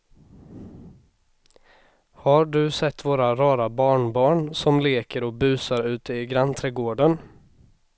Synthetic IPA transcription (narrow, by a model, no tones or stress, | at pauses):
haɖɵsɛt̪ːvoːɾaɾɑːɾabɑːɳbɑːɳsɔmleːkəɾɔk̚bʉ̟ːsaɾʉ̟ːt̪əɪɡɾant̪ʰɾɛːɡoːɖən